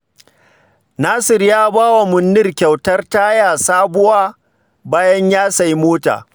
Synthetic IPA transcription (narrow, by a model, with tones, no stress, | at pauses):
naː˦sɪ˨rjaː˦baː˦wa˨mʊ˨nːɪ˦rkʲa˨wtɐ˦rta˦jaː˨saː˦bʊ˦waː˦ | baː˦jɐ˦ɲjaː˦sɐ˨ji˦moː˦ta̰ː˨